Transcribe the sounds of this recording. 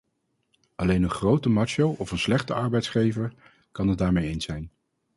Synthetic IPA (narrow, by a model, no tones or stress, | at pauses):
ʔɑlejnənχrowtəmɑt͡ʃowʔɔfənslɛχtəɑɹbɛjtsχejvəɹ | kɑnɦəd̚daːɹmejejnsɛjn